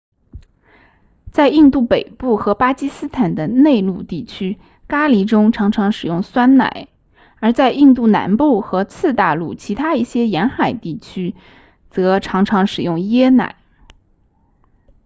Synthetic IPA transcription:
t͡sa˥˧ɪi˥˧nt̪u˥˩pe˨˩ɪpu˥˩xɤ˧˥pa˥t͡ɕi˥sɹ̩˥t̪ʰa˨˩nd̪ə˦ne˥˧ɪlu˥˧t̪i˥˩t͡ɕʰy˥ | ka˥li˧˥ʈ͡ʂʊ˥ŋʈ͡ʂʰɑ˧˥ŋʈ͡ʂʰɑ˧˥ŋʂɻ̩˨˩jʊ˥˩ŋswa˥nna̰˨˩˦ɪ | ə˞˧˥t͡sa˥˧ɪi˥˧nt̪u˥˩na̰˧˥npu˥˩xɤ˧˥t͡sʰɹ̩˥˧t̪a˥˧lu˥˩t͡ɕʰi˧˥t̪ʰa˥i˥˩ɕjɛ˥jɛ˧˥nxa˨˩ɪt̪i˥˩t͡ɕʰy˥ | t͡sɤ˧˥ʈ͡ʂʰɑ˧˥ŋʈ͡ʂʰɑ˧˥ŋʂɻ̩˨˩jʊ˥˩ŋjɛ˥na̰˨˩˦ɪ

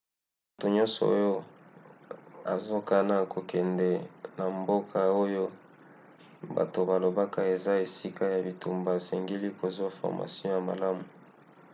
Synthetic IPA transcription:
mu˨to˨ɲɔ̃˦nsɔ̰˨o˦jo˦ | a̰˨zo˦ka˦na˦kʰo˨kɛ˨ndɛ˨na˨mbo˦kʰa˦o˦jo˦ | ba̰˨to˨ba˨lo˨ba˦ka˦e˨za˦e˨si˦ka˦ja˨bi˨tu˨mba˨sɛ˨ŋɡi˦li˦ko˨zu˦a˦fɔ̰˨ʁma̰˨si˦ɔ̃˦ja˨ma̰˨la˦mu˨

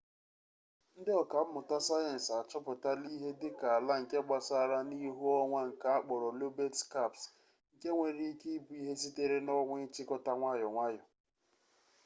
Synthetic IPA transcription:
n̩˦dɪ˦ɔ˨ka˨m̩˦mʊ˨ta˦sa˦je˨n̩˨sa˨t͡ʃɔ˦pʊ˨ta˦li˦ɦe˦dɪ˦ka˨a˨la˦ŋ̩˨ke˦ɡ͡ba˦sa˦a˦˨ɾa˦ni˦ɦu˦ɔ˦ŋʷa˦ŋ̩˨ka˨a˦k͡pɔ˨ɾɔ˨lo˦be˦tka˦˨ps | ŋ̩˨ke˦ŋʷe˨ɾi˦ke˦i˦bu˦i˦ɦe˦si˦te˦ɾe˦nɔ˦ŋʷe˦t͡ʃɪ˦kɔ˦ta˦ŋʷa˦jɔ˨ŋʷa˦jɔ˨

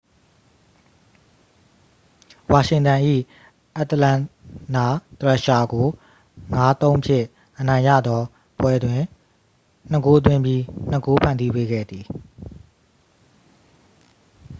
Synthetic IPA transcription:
wa˨ʃɪ̃˨ntã˨ʔḭ˦˨ | ʔa˦˨t̪əlã˦˨na˨t̪ɹɛ˦˨ʃa˨ɡo˨ | ŋa˦t̪õ˦ʊ̃mpʰjɪ̰̃˦˨ | ʔənã˨ɪ̃jä̰˦˨d̪ɔ˦ | pwɛ˦dwɪ̃˨ | n̥ə˦ko˦t̪̬wɪ̃˦mbji˦n̥ə˦ko˦pʰã̰˦˨ndi˦pe˦ɡɛ̰˦˨d̪i˨

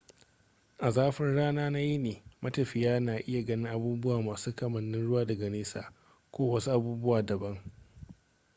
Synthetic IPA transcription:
ʔa˨zaː˦ɸɪ˦nɽaː˦naː˦na˦ji˦neː˨mɐ˦tɐ˨ɸɪ˨jaː˦naː˨ʔɪ˦ja˨ɡɐ˦nɪ˦ŋʔa˨buː˦bʊ˦waː˨maː˨suː˦kɐ˨mɐ˨nːɪ˦nɽʊ˦waː˦dɐ˨ɡa˨neː˦sa̰ː˨ | kʷoː˦wɐ˦su˦ʔa˨buː˦bʊ˦waː˨dɐ˨bɐ˦ŋ

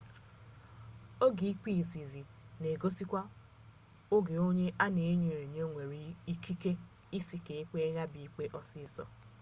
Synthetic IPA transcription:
o˦ɡi˨i˦k͡pi˦˨zi˨zi˨ | ne˨ɡo˦si˦kʷa˦ | ʊ˦ɡe˨o˦ɲe˦ʔa˦ne˨˦ɲu˨e˨ɲ˦o˦ŋʷe˨ɾi˨i˦kʰi˦ke˦ | i˦si˨ke˨e˦k͡pe˦ɣa˦bi˨i˦k͡pe˦ʔɔ˦si˦sɔ̰˨

